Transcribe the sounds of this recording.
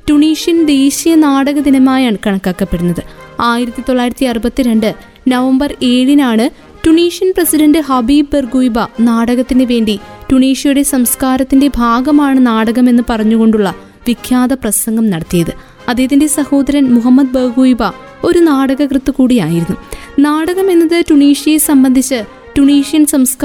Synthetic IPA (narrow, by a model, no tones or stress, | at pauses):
tuɳiːʂijɐnd̪eːɕijɐnaːɽɐɣɐd̪inɐmaːjaːɳɨkɐɳɐkːaːkːɐpːe̞ɽunːɐðɨaːjiɾɐt̪ːit̪o̞ɭːaːjiɾɐt̪ːiɐrubɐt̪ːiɾe̞ɳɖɨ | nɐʋɐmbɐre̞ːɻinaːɳɨ | tuɳiːʂjɐnprɐsidɐɳɖɨɦɐbiːbberɡuːjbɐnaːɽɐɣɐt̪ːinɨʋe̞ːɳɖituɳiːʂijuɽe̞sɐmskaːɾɐt̪ːinde̞bʱaːɡɐmaːɳɨnaːɽɐɣɐme̞nːɨpɐrɐɲːuɣo̞ɳɖuɭːɐ | ʋikʰːjaːd̪ɐprɐsɐŋɡɐmnɐɽɐt̪ːijɐðɨ | ɐðejɐðinde̞sɐho̞ːd̪ɐɾɐnmuɦɐmːɐd̪̚bɐrɡuːjbɐ | o̞ɾunaːɽɐɣɐkrɨt̪ːukuːɽijaːjiɾunːunaːɽɐɣɐme̞nːɐðɨtuɳiːʂijesɐmbɐnd̪ʱit͡ɕːɨ | tuɳiːʂijɐnsɐmskː